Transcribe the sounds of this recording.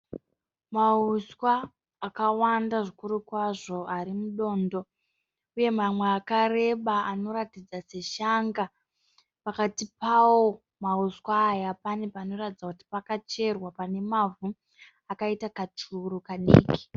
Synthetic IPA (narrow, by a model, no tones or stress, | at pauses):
mauswaː | kawandaʐikuɾukwaʐo̞aɾimuɗo̞ːndo̞ | uje̞mamweakare̞ɓaano̞ɾatid͡zase̞ʃaŋɡa | pakatipawo̞ | mauskwaːjapane̞paːno̞ratid͡zakuti̥pakat͡ʃe̞rwapane̞mavu | akaitakat͡ʂuɾukanḭːki̥